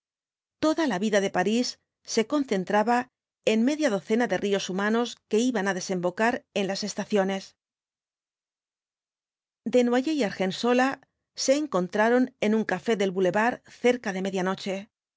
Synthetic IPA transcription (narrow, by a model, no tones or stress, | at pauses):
t̪o̞ðalaβiðaðe̞paɾisː | e̞ko̞nθe̞nt̪ɾaβa | e̞nme̞ðjaðo̞θe̞naðe̞rio̞sumano̞ske̞iβanaðe̞se̞mbo̞kaɾe̞nlase̞st̪aθjo̞ne̞s | d̪e̞nwaʝejaɾxe̞nso̞la | se̞ːŋko̞nt̪ɾaɾo̞ne̞nuŋkafe̞ðe̞lβule̞βaɾθe̞ɾkaðe̞me̞ðjano̞t͡ʃe̞